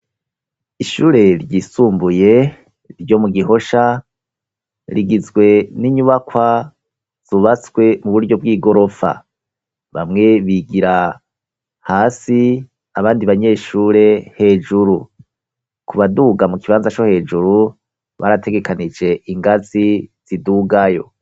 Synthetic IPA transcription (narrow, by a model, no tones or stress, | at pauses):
iʃuːɾe̞ɾɟiːsuːmbuje̞ | ɾɟo̞muɡiɦo̞ʃa | ɾiɡizɡwe̞niɲuβakwa | z̥uβat͡swe̞muβuɾɟo̞bɡiːɡo̞ɾo̞fa̰ | βa̰mŋe̞βiɡiɾa | haːsi | aβaːndiβaɲe̞ːʃuːɾe̞he̞ːd͡ʒuɾu | kʰuβaduɡamukiβaːnzat͡ʃo̞he̞ːd͡ʒuɾu | βa̰ɾatʰe̞ɡe̞kanid͡ʒe̞ʔiŋɡaziz̥iduɡajo̞̰